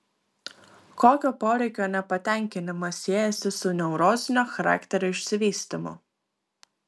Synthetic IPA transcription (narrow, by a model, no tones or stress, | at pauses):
koːkʲoːpoːɾʲɛɪkʲoːnʲɛpɐt̪ʲɛˑŋʲkʲɪnʲɪmɐsʲiɛjɛsʲɪsʊnʲɛʊɾoːzʲɪnʲoːxɐɾa̰ːkt̪ʲɛɾʲʊɪʃʲsʲɪʋʲiːsʲt̪ʲɪmʊ̰